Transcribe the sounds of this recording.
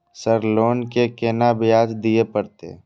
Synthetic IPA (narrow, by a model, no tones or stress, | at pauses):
səɾloːnkekeːnabɪjaːd͡ʒd̪ɪepəɾt̪ḛ